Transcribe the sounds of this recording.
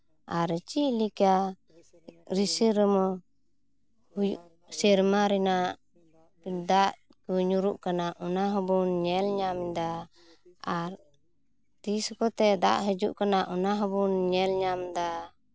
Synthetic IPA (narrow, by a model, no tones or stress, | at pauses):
aɾt͡ʃiʔlika | ɾisiɾəmɔ | hujuʔ | sɛɾmaɾɛnaʔ | d̪aʔ | kuɲuɾuʔkanaʔɔnaɦɔbunɲɛlɲamd̪a | aɾ | t̪iskɔt̪ɛd̪aʔɦəd͡ʒuʔkanaʔɔnaɦɔbunɲɛlɲamd̪a